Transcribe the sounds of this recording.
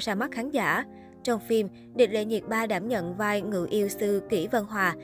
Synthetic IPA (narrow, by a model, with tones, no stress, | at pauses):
saː˧˩ma˦˥t̚xaː˨˦nzaː˧˩ | t͡ɕɔ˧wŋ͡mfi˧m | ɗï˨˩lḛ˧˨ɲi˨˩t̚ɓaː˧ɗaː˧˩mɲə̰˧˨nvaː˧jŋɨ̰˧˨ʔi˧əwsɨ˧ki˧˩və˧nɦwaː˨˩